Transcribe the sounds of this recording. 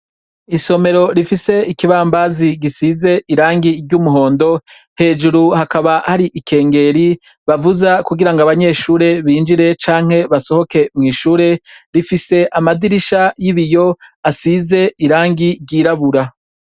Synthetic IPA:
iso̞me̞ɾo̞ɾifise̞ikiβaːmbaziɡisize̞ʔiɾaːŋɡiɾɟuːmuɦo̞ːndo̞ | he̞ːd͡ʒuɾuhakaβahaɾiʔikʰe̞ːŋɡe̞ɾi | βavuzakuɡiɾaŋɡaβaɲe̞ːʃuːɾe̞βiːnd͡ʒiɾe̞t͡ʃaːŋ̥he̞βaso̞ho̞ke̞mŋiːʃuːɾe̞ɾifise̞ʔamadiɾiʃajiβijo̞asize̞ʔiɾaːŋɡiɾɟiːɾaβuɾa

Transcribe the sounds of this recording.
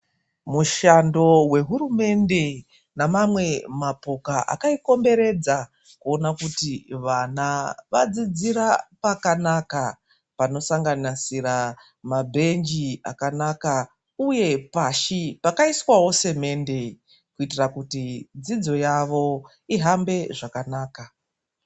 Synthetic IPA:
muʃando̞we̞ɦuɾume̞nde̞ | namamwe̞mapo̞kaʔa̰kaiko̞mbe̞ɾe̞d͡za | kuo̞nakutiʋanaʋad͡zid͡ziɾapakanaka | pano̞saŋɡanasiɾa | mabʱe̞nd͡ʒia̰kanaka | uje̞paʃipakaiswawo̞se̞me̞nde̞ | kuitirakutid͡zid͡zo̞jaʋo̞ | iɦambe̞ʐakanaːka

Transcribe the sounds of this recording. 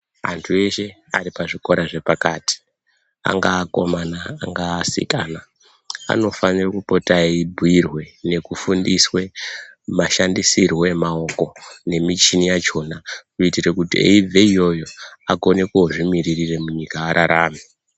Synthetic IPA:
a̰ntʰue̞ʃe̞ | a̰ɾipaʐiko̞ɾaʐe̞pakaːti̥ | a̰ŋɡaːko̞manaːŋɡaːsḭkana | a̰no̞fanirakupo̞taeibʱuirwe̞ne̞kufundiswe̞maʃandisirwe̞mao̞ko̞ne̞mit͡ʃinijat͡ʃo̞ːnakuitirekutiḛib͡vʱeijo̞jo̞akone̞kuoʐimiririre̞muɲikaːɾʔaɾaːmi

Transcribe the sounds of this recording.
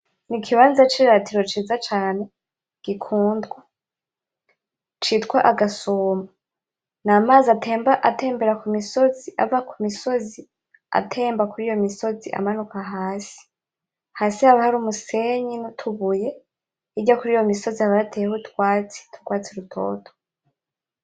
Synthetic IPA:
nikʰiβaːnzat͡ʃiːɾatiɾo̞t͡ʃiːzat͡ʃaːne̞ | ɡ̥ikʰuːndɡwa | t͡ʃitkwaʔaɡasoːma | naːmaːzatʰe̞ːmbaʔate̞ːmbe̞ɾakumiso̞ziʔa̰vakʰumiso̞zi | a̰tʰe̞ːmbakuɾiːjo̞miso̞ziʔa̰manukaɦaːsi̥ | haːsihaβahaɾuːmuse̞ɲinotʰuβuje̞ | iɟakuɾiːjo̞miso̞zihaβaɾatʰejehotwaːt͡si̥tʰu̥ɾɡwaːt͡siɾutʰo̞̰ːtʰo̥

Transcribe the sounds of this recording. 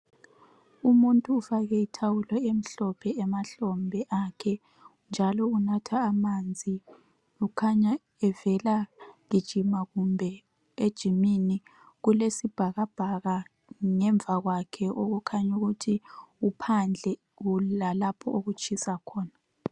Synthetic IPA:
umuntʼuːfaɣɛitʰawulɛem̩ɬɔpʰɛːmaɬɔmbʱɛʔakʰɛ | nd͡ʒʱalɔunatʰaːmand͡zʱi | ukʰaɲa | ɛvɛlaɣid̥ʒ̥ʱimaɣumbʱɛ | ed̥ʒ̥ʱimini | ɣulesib̥ʱaɣab̥ʱaɣa | ŋɛɱbvʱaɣwakʰɛʔoɣukʰaɲuɣutʰiupʰand͡ɮʱɛ | ɣulalapʰɔʔoɣut͡ʃʼisakʰɔːna

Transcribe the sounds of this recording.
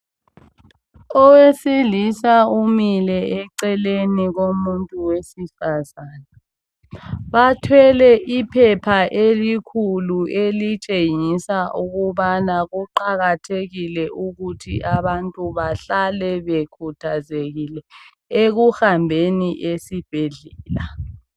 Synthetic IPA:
ɔwesilisaumilɛɛǀɛleniɣomuntʼuwesifazaːna | βatʰwɛlɛʔipʰɛpʰaʔelikʰuluelit͡ʃʼeŋisaʔuɣuβanaɣuǃaɣatʰeɣilɛʔuɣutʰiʔaβantʼuβaɬalɛβekʰutʰazeɣilɛ | eɣuhambʱeniʔesib̥ʱeɮɛːla

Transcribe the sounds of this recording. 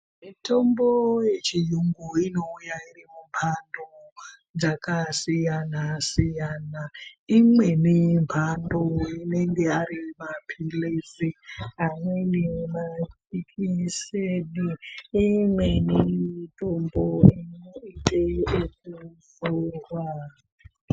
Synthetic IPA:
mitʰo̞mbojet͡ʃijuŋɡuino̞ujairimumpʰando | d͡zakasijanasijanaimwe̞nimpʰandoine̞ŋɡe̞aɾimapʰilesiɦamwenima | ikʰiseniː | mwenitʼomboineitʼeekuforwa

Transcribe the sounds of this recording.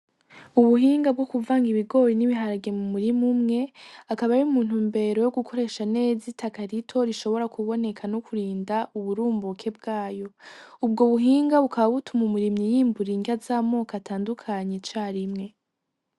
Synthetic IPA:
uβuɦiːŋɡab̚ɡokuvaːŋɡiβiɡo̞ːjiniβiɦaɾaɡe̞mumuɾimumŋe̞akaβajiuumuːn̥umbe̞ɾo̞joɡukʰo̞ɾe̞ʃane̞ːzitʰakaɾitʰo̞ɾiʃo̞βo̞ɾakuβo̞ne̞kʰanokʰuɾiːndaʔuβuɾuːmbukʰe̞b̚ɡaːjo̞ub̚ɡo̞βuɦiːŋɡaβukaβaβutʰumumuɾimɲijiːmbuɾiŋɡazaːmo̞ːkatʰaːndukʰaɲet͡ʃaːɾimŋe̞

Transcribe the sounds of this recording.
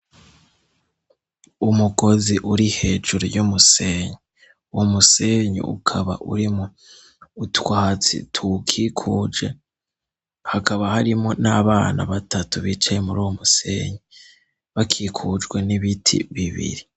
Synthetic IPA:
umuɡo̞ziʔuɾihe̞ːʒuɾojumuseːɲe | museɲḛʔṵkʰaβa̰ʔṵɾimo | utwahat͡sḭtʰukʰikʰuːd͡ʒɡe̞ | hakaβahaɾimo̞naβaːna̰βatatuβit͡ʃajemuɾuomuse̞̰ɲi | βakʰikʰud͡ʒɡwe̞niβitʰḭβiβḭɾi

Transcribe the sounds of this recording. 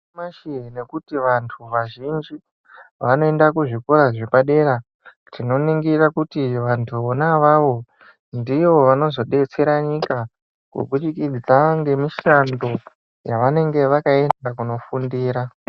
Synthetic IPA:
maʃiɦene̞kutiʋantʰuʋaʒind͡ʒi | ʋano̞e̞ndakuʐikoɾaʐipaɗe̞ɾa | tino̞niŋɡirakutiʋantʰuonaʋaʋo̞ | ndio̞ʋano̞zo̞ɗe̞t͡se̞ɾaɲika | kṵɓuɗikid͡zaŋɡe̞miʃando̞ | jaʋane̞ŋɡe̞ʋakaeakuno̞fundiːɾa

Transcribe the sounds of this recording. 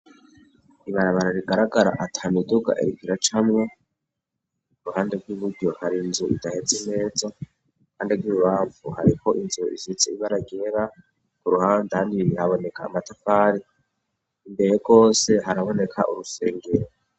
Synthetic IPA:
iβaɾaβaɾaɾiɡaɾaɡaɾa̰ʔatʰaːmiduɡa̰ʔḛɾikiɾat͡ʃamŋe | kuɾuhaːnde̞bɡwiβudɟo̞haɾinzuḭdahet͡seme̞ːza | uhaːnde̞ɾɡwiuβaːɱvuhaɾikʰo̞ʔinzuḭzit͡seiβaɾaɡe̞ɾa | kuɾuhaːndehaːndiihaβo̞ne̞ka̰ːmatafaːɾi | imbe̞ɾeɡɡo̞ːse̞ɦaɾaβo̞ne̞kʰa̰ʔṵɾuse̞ːŋɡeɾo

